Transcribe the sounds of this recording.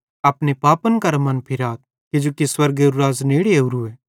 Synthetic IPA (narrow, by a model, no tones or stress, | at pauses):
ɐpnepaːpənkɐɾmɐnpʰɪɾaːt̪̚ | ked͡ʒoːkiswɐɾɡeuɾuɾaːzneːɽieɦuɾueː